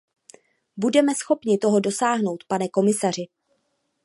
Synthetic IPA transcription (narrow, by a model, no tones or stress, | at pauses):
budɛmɛsxo̞pɲɪt̪o̞ɦo̞do̞saːɦno̞wt̪panɛko̞mɪsar̝ɪ